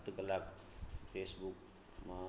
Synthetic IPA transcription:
t̪kəlab | pʰesbuk | ma

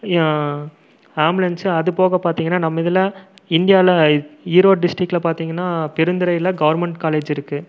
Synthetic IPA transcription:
aːmblɐnsɯɐðɯpoːɣɐpaːɾt̪iːŋɡɐnːaːnɐmːɐɪðɐlɐ̃ɪnd̪ɪjaːlɐiːɾoːɖɪsʈɾɪkːlɐpaːɾt̪iːŋɡɐnːaːpɪɾɯnd̪ɪɾɐɪɪlɐɡɐʋɐɾmɛɳʈkaːleːd͡ʒɪɾɯkːɯ

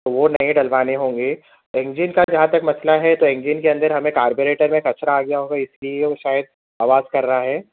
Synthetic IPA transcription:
t̪oʋonɐẽɖɐlʋaːneɦõːŋɡeː | ɪ̃ŋd͡ʒɪnkad͡ʒɐɦãt̪ɐkmɐslaɦɛt̪oɪ̃ŋɡd͡ʒinkeɐ̃nd̪əɾɦɐmẽkaːɾboːɾeːʈəɾmẽkɐt͡ʃɾaːɡɐjaɦoːɡaɪslieoʃaːjəd̪̚ | aːʋaːzkɐɾːɐɦaɦɛː

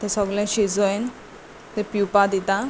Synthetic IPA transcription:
t̪ẽsəɡlɛ̃ɕid͡zoen | t̪ẽpjupad̪it̪ã

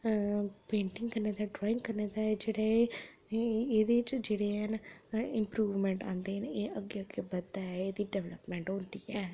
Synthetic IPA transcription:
pẽːʈɪŋɡkəɾneːd̪aːɖɾɔːɪ̃ŋɡkəɾneːd̪aːɛd͡ʒeːɽae | eːd̪eːɪt͡ʃd͡ʒeːɽeɦənɪmpɾuːʋmɛ̃ːɳʈã̰ːnd̪eːneːʔəɡːeːəɡebəaːɛeːd̪iːɖɛʋlə̰pmɛ̃ːɳʈɦõːnd̪iːɛː

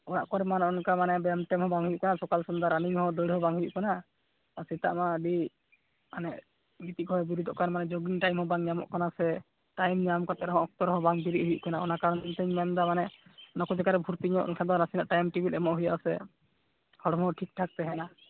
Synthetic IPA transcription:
ɔja̰ʔkɔɾɛmanɔnkamanɛbɛmʈɛmhɔ̃baŋɦujuʔkanasɔkalsɔnd̪aɾaniɲhɔ̃d̪əɽɦɔbaŋɦujṵʔkanaː | ɾsɛt̪a̰ʔmabi | anɛʔ | ɡit̪iʔkɔɛbiɾud̪ɔʔkanmanɛd͡ʒoɡiŋʈajmhɔ̃baŋɲamɔ̰ʔkanasɛ | ʈajmɲamkat̪ɛɾɛɦɔ̃ɔk̚t̪ɔɾɦɔ̃baŋbiɾiʔhujṵʔkanaɔnakaɾɔnt̪əɲmɛmd̪amanɛnɔkɔd͡ʒakaɾɛbʱuɾt̪iɲɔʔɔ̰nkʰad̪ɔnasina̰ʔʈajmʈibilɛmɔʔɦuja̰ʔsɛ | hɔɽɔmɦɔʈʰik̚ʈʰak̚t̪ɛɦɛna

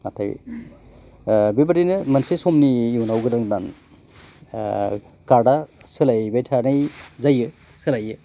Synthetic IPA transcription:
atʰaj̰ | bibaɾinɯmansesɔmniːwnawɡɯdaŋdan | kaɾdasɯlajbajtʰanajzajɯ | sɯlajɯ

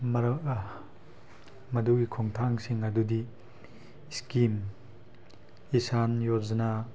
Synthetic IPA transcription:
mɐɾ | mɐduɡikʰoŋtʰaŋsiŋɐdudi | skim | isanjoɾzɐna

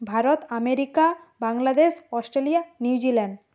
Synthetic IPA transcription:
bʱaɾot̪ameɾika | baŋlad̪eʃɔsʈɾelijaniwd͡ʑilɛɳɖ

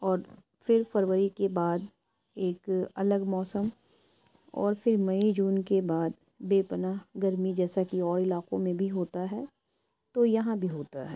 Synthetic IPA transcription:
ɔːɾ | fɪɾfɐɾʋəɾikebaːd̪ | eːkɐ̰ləɡmɔːsəm | ɔ̰ːɾfɪɾmɐid͡ʒuːnkebaːd̪ | beːpənaːɦɡɐɾmid͡ʒɛːsakiɔːɾɪlaːqõmẽbʱiɦoːt̪aɦɛː | t̪ojɐɦãbʱiɦoːt̪a̰ɦɛ̰ː

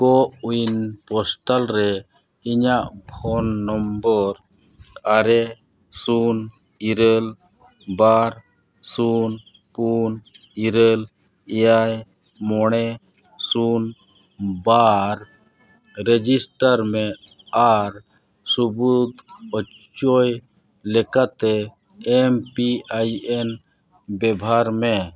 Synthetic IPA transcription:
kɔʔujnpɔsʈalɾɛ | iɲaʔpʰɔnːɔmbɔɾ | aɾɛ | sun | iɾəl | baɾ | sun | pun | iɾəl | ijaj | mɔɽ̃ɛ | sun | baɾ | ɾɛd͡ʒisʈaɾmɛ | aɾ | subud̪ɔ | t͡ʃɔj | lɛkat̪ɛ | ɛmpiajɛn | bɛbʱaɾmɛ

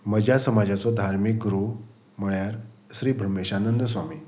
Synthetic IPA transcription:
məd͡ʑʱjasəmad͡ʑat͡sɔd̪ʱaɾmik̚ɡɾu | məɭjaɾɕɾiːbʱɾəmeɕanənd̪əsʋamiː

